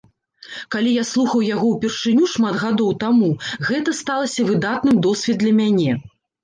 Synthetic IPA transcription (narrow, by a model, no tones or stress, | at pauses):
kalʲijaslˠuxɐwjaɣɔwpʲɛrʂɨnʲuʂmad̪ɣad̪ɔwt̪amuɣɛt̪ɐst̪alˠɐsʲɐvɨd̪at̪̚nɨmd̪ɔsʲvʲɛd̪lʲɐmʲanʲɛ